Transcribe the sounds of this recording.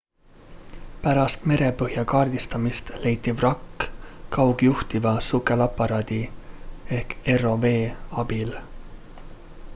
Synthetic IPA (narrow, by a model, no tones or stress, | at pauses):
pæɾɑst̪me̞ɾe̞pɤhjɑkɑːrd̪̥ist̪ɑmist̪le̞jt̪ʲːˑivrɑkːkɑwɡ̥juht̪ivɑsukːˑelɑpːˑɑɾɑːd̪̥ʲi | e̞hke̞ro̞ve̞ːɑb̥il